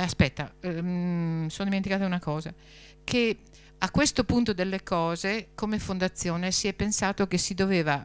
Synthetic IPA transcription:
aspɛt̪ːa̰ | sonod̪iment̪ikaːt̪aunakɔːza | kʰe | akːwest̪opunt̪od̪elːekɔːzekomefond̪at̪sːjoːnesiɛpːensaːt̪ok̟esid̪oveːva

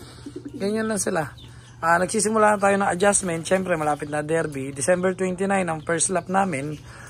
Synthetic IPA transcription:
ɡɐjɲanlɐŋsɪla | ʔaːnɐɡ̚siːsɪmʊlaːt̪aːjonɐŋʔɐd͡ʒasmɛnt̪̚ʃɛmpɾɛmɐlaːpɪt̪̚nɐd̪ɛɾbid̪ɪsɛmbɛɹt̪wɛnt̪ɪnajnɐŋpɛɹslap̚naːmɪn

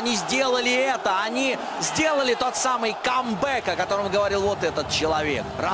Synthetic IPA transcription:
nʲizʲdʲe̞lˠəlʲɪɛt̪əanʲi | zʲdʲe̞lˠəlʲɪt̪o̞t̪samɨjkɐmbɛkɐkɐt̪o̞ɾəmɡəvɐɾʲilˠvot̪ɛt̪ət̪̚t͡ɕɪlˠɐvʲe̞̰kra

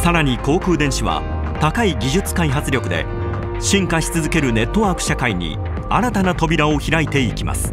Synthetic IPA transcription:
saɾaɲ̟iko̞ːkɯ̟ːd̪ẽ̞ɰ̃ɕiβa̰ | t̪akaiɡʲiʑɨt͡sɨ̥kaiɦat͡sɨɾʲo̞kɯ̟d̪e̞̰ | ɕĩŋkaɕi̥t͡sɨzɨke̞ɾɯ̟ne̞t̪ːo̞βaːkɯ̟̥ɕakaiɲ̟ḭ | aɾat̪anat̪o̞bʲiɾao̞çiɾait̪e̞ikʲima̰sɨ̥

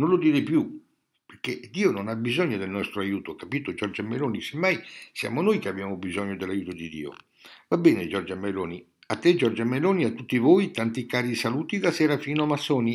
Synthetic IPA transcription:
nonlod̪iːɾepju | perk̟ed̪iːononabizɔɲːod̪elnɔst̪ɾoajuːt̪oakːapiːt̪od͡ʒɔrd͡ʒamːeloːnisemːajsja̰monojkeabjaːmobizɔɲːod̪elːajuːt̪od̪id̪ḭːo̰ | vabːɛːned͡ʒɔrd͡ʒamejloːni | at̪ːed͡ʒɔrd͡ʒameloːniat̪ːut̪ːivojt̪ant̪ikaːɾisaluːt̪id̪asɛːɾafiːnoamasːɔːni

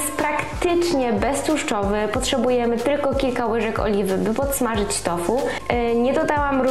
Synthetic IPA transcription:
spɾakt̪ɘt͡ʂɲɛbɛst̪uʂt͡ʂɔvɘpɔtʂɛbujɛmɘt̪ɘlkɔkʲilkawɘʐɛkɔ̰lʲivɘbɘpɔt̪smaʐɘt͡ɕt̪ɔfu | ɲɛd̪ɔd̪awamɾ

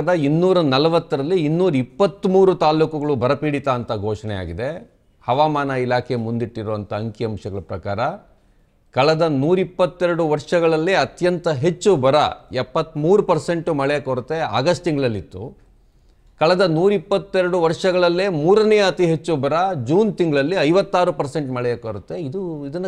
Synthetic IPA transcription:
d̪ɐinːuːɾɐnɐlɐʋɐt̪ːɐɾɐlːiːnːuːɾɐipːɐt̪ːmuːɾut̪aːluːkɐɡɐɭubʱɐɾɐpiːɽit̪aːnt̪ɐɡʱoːʂɐnɛ̰ja̰ːɡid̪e̞ | hɐʋaːmaːnɐilaːkʰe̞mund̪iʈːiɾoːɐnt̪ɐːŋkiɐmʃɐɡɐɭɐpɾɐkaːɾɐ | kɐɭɐd̪ɐnuːɾipːɐt̪ːeɾɐɽuʋɐɾʂɐɡɐɭɐlːiɐt̪jɐnt̪ɐɦe̞t͡ʃːubɐɾɐ̰ɛpːɐt̪ːmuːɾupɐɾse̞ɳʈumɐɭɛjɐkɐɾut̪ːea̰ːɡɐsʈt̪iŋɡɐɭɐlːit̪ːu | kɐɭɐd̪ɐnuːɾipːɐt̪ːeɾɐɽuʋɐɾʂɐɡɐɭɐlːemuːɾɐnɛjɐɐt̪iɦet͡ʃːubɐɾɐd͡ʒuːnt̪iŋɡɐɭɐlːiɐjʋɐt̪ːaːɾupɐɾse̞ɳʈmɐɭɛjɐkɐɾut̪ːe̞id̪uid̪ɐnː

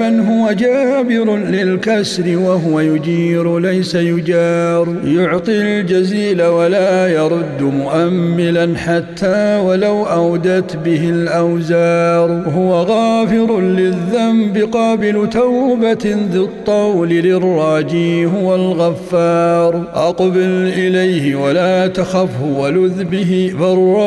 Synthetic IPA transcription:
anɦʊwad͡ʒaːbɪɾʊlɪlkasɾɪwaɦʊwajʊd͡ʒiːɾlajsajʊd͡ʒɑːɾ | jʊʕt̪ˤild͡ʒaziːlawalaːjɑɾˤʊd̪ːmʊʔamːɪlanħat̪ʰːaːwalawʔawd̪at̪bɪhɪlʔawzaːɾˤhʊwaɣɑːfɪɾlɪðːambɪqɑːbɪlt̪awbaðɪt̪ˤːɑwlɪlɪrˤːɑːd͡ʒiːɦwalɣafːɑːɾˤʔɑqbɪlʔɪlajhɪwalaːt̪axafhʊwalʊðbɪɦfɑrˤːɑ

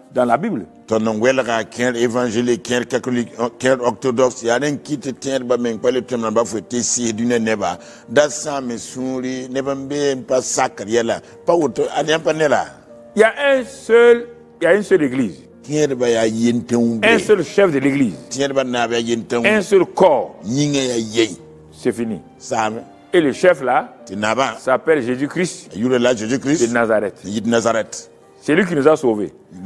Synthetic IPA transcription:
dãlabibl | tɔnːɔnwɛlkakɛɾevãnʒelikkɛ̃ɾkatolikɛ̃ɾɔktodɔksjadiŋkititiɛɾbamɛk͡pɛletemnãbafoetesihidunianɛba̰ | dasãmisũɾinɛbambem̩pasakːɨɾjɛla̰ | pawuɾtoanapanɛla̰ | jaɛnsol | jaɛnsoleɡliz | tiɲɛdɨbajajentewubɛ̃nsolʃɛfdeleɡliztiɲɛdɪbanabjajentẽɛ̃nsolkɔɲiŋajajeɲ | sefinḭ | saːmɛ | eleʃɛflatinabasapɛlʒezikɾistajuɾelaʒezikɾinazaɾɛtjidnazaɾɛt | selikinizasovḛ

